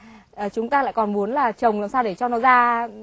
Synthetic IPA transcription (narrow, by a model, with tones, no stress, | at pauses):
ʔəː˨˩t͡ɕʊ˨˦ŋ͡mt̪aː˧la̰˧˨jkɔ˨˩nmu˨˦ənlaː˨˩t͡ɕə˨˩wŋ͡mla˨˧˨msaː˧wɗe˧˩t͡ɕɔ˧nɔ˨˦zaː˧